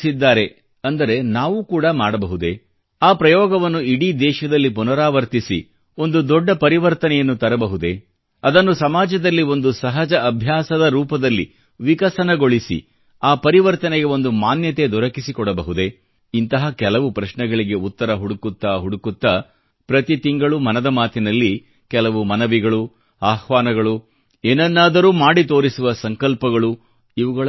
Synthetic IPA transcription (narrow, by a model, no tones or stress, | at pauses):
sid̪ːaːɾe̞ | ɐnd̪ɐɾe̞naːʋukuːɽɐmaːɽɐbɐɦud̪e̞ | aːpɾɐjɔːɡɐʋɐnːuiɽid̪ɛːʃɐd̪ɐlːipunɐɾaːʋɐɾt̪isḭ | o̞nd̪ud̪ɔɖːɐpɐɾiʋɐɾt̪ɐnɛjɐnːut̪ɐɾɐbɐɦud̪e̞ | ɐd̪ɐnːusɐmaːd͡ʒɐd̪ɐlːio̞nd̪usɐɦɐd͡ʒɐɐbʱjaːsɐd̪ɐɾuːpɐd̪ɐlːḭ | ʋikɐsɐnɐɡo̞ɭisḭ | aːpɐɾiʋɐɾt̪ɐnɛɡe̞o̞nd̪umaːnjɐt̪̬e̞d̪ɔɾɐkisikɔɽɐbɐɦud̪e̞ | int̪ɐɦɐkɛlɐʋupɾɐʃɳɛɡɐɭiɡe̞ut̪ːɐɾɐɦuɽukut̪ːɐɦuɽukut̪ːɐ | pɾɐt̪it̪iŋɡɐɭumɐnɐd̪ɐmaːt̪inɐlːi | kɛlɐʋumɐnɐʋiɡɐɭu | aːhʋaːnɐɡɐɭu | eːnɐnːaːd̪ɐɾuːmaːɽit̪o̞ːɾisuʋɐsɐŋkɐlpɐɡɐɭu | iʋuɡɐɭ